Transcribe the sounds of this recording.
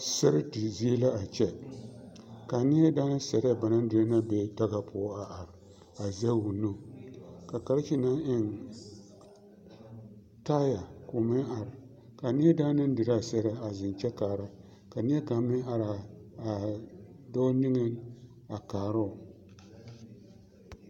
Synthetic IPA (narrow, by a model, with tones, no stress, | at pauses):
sɛ˦ɾɨ˦ti˨zi˦e˦la˦a˨t͡ʃɛ˦ | ka˨nɪ˦jɛ˦daː˦nɨ˦sɛ˨ɾa˦ba˨na˦n˦dɨ˨ɾa˦na˦bɛ˦ta˦ɡa˨pʰʊ˦a˨ʔa˨ɾ | a˨zɛ˦wu˨nːu˦ka˨ka˨ɾɪ˦t͡ʃi˦na˦ʔɪ˦ŋ | taː˦ja˨kʊ˨mɨ˦ʔa˨ɾ | ka˨nɪ˦ɛ˦da˦nɨ˦n˦dɨ˨ɾa˦˨sɛ˦ɾa˦a˨zɪ˨n˨t͡ʃɛ˦kaː˨ɾa˦ | ka˨nɪ˦ɛ˦ka˨mɨ˦a˨ɾa˨a˨ | do˦nɨ˦ŋɨ˦n | a˨kaː˨ɾa˦˨